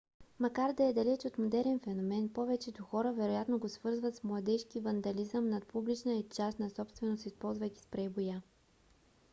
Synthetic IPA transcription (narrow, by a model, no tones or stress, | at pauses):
mɐkaɾd̪ɐɛd̪ɐlɛt͡ʃot̪mod̪ɛɾɛnfɛnomɛnpɔvɛt͡ʃɛd̪oxɔɾəvɛɾojat̪noɡosvɤɾzvət̪smlˠɐd̪ɛʃkivɐnd̪ɐlizəmnɐt̪̚publit͡ʃnəit͡ʃast̪nɐsɔpst̪vɛnost̪ispɔlˠzvəjk̪ʲi̥spɾɛjboja